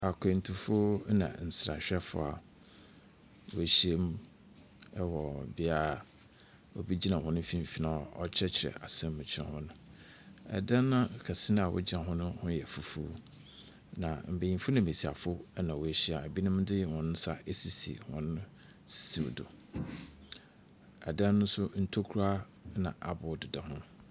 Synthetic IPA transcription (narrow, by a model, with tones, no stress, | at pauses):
a˨kʷʰẽ˨n̩˨tʰu˨fo˦nã̰˨n̩˨sɾa̰˨ɕᶣɛ˦fʊ̰˨a˨ | wʊ˨æ˨ɕi˦e˦m | ɛ˦wɔ˨bɪ˦a˦˨ | ɔ̰˨bi˦d͡ʑi˦nã˨hɔ̃˨nʊ̃˦fĩ˦m˦fi˦nã˦˨ɔ˦t͡ɕʰɛ˦t͡ɕʰɪ˨ɾɛ̰˨a̰˨sɛ̃˦mː˦ʊ̃˨t͡ɕʰɪ˦ɛ̰̃˨hʊ̃˦nʊ̃˦ | ɛ̰˨dã˦nːã˦˨kʰa˨sɪ˦ñ˦a˨wʔʊ̰˦d͡ʑɪ˦ã˨ɦʊ̃˦nʊ̃˦hʊ̃˦jɛ˨fu˨fuː˦ | nã˨m̩˨be˨ĩ˨fʊ˦nã˨me˨si˨a̰˨fʊ˦nã˨wɔ˨æ˨ɕi˦a˨æ˨bi˦nʊ̃˦m˦dɪ˦jɛ˨wɔ̃˨nʊ̃˦sa˦e˦si˨sḭ˨hɔ̰̃˨nʊ̃˦ | si̥˨sḭ˨dʊ̰˨ | ɛ̰˨dã˦nːʊ̃˦sʊ˦n̩˦tʰo˦kʰu˦ɾa˦ | nã˨ʔa˨bʊ˨dɪ˨dɛ˨hʊ̃˦